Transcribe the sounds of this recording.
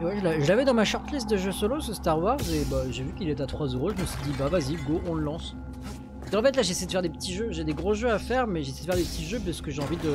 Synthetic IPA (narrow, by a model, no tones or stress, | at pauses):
wɛʒəlaʒəlavɛd̪ɑ̃maʃɔʁt̪list̪̚d̪əʒøsolosəst̪aʁwaʁzebaʒevykʲilet̪at̪χwazøʁoʒəməsɥid̪ibavaziɡoʔɔ̃ləlɑ̃s | pskɑ̃fɛt̪̬laʒesɛjd̪əfɛʁd̪epət̪ʰiʒøʒed̪eɡʁoʒøafɛʁmɛʒesɛjd̪əfɛʁd̪epət̪ʰiʒøp̬ɥisə̥kəʒeɑ̃vid̪ə